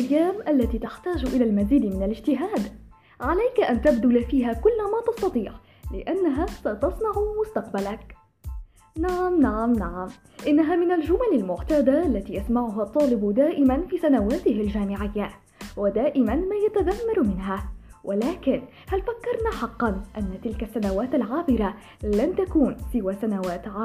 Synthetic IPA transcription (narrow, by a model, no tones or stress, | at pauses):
ʔajːaːmʔalːat̪iːt̪aħt̪aːd͡ʒʔɪlaːlmaziːd̪mɪnalɪd͡ʒt̪ɪɦaːd̪ | ʕalajkaʔant̪abd̪ʊlafiːɦaːkʊlːamaːt̪ɑsˤt̪ɑt̪ˤiːʕ | lɪʔanːaɦaːsat̪ɑsˤnɑʕmʊst̪ɑqbalak | naʕamnaʕamnaʕam | ʔɪnːaɦaːmɪnald͡ʒʊmalalmʊʕt̪aːd̪aʔalːat̪iːjasmaʕʊɦat̪ˤːɑːlɪbd̪aːʔɪmanfiːsanawaːt̪ɪhald͡ʒaːmɪʕɪjːa | wad̪aːʔɪmanmaːjat̪aðamːɑɾˤmɪnɦaːwʔalaːkɪn | halfakːɑɾˤnaːħɑqːɑnʔanːat̪ɪlkasːanawaːt̪alʕaːbɪɾa | lant̪akuːnsɪwaːsanawaːt̪ʕaː